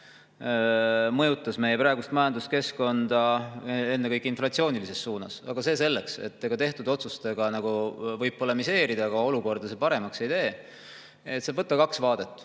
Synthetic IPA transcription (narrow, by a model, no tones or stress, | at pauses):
mɤ̞jut̪ːˑɑsme̞jepɾɑe̞ɡust̪mɑjɑnd̪uske̞sko̞nd̪̥ɑe̞nːekɤjkːˑeinflɑt̪sio̞ːnʲilise̞sːuːnɑ̰sɑɡ̥ɑse̞ːse̞lːeksḛt̪ːe̞ɡ̥ɑt̪e̞ht̪ud̪̥o̞t̪sust̪e̞ɡ̥ɑnɑɡ̥uvɤjb̚polemise̞ːɾid̪ɑɡ̥ɑo̞luko̞rd̪̥ɑse̞pɑɾe̞mɑksejd̪e̞ː | et̪sevɤt̪ːˑɑkɑksvɑːd̪̥et̪ˑː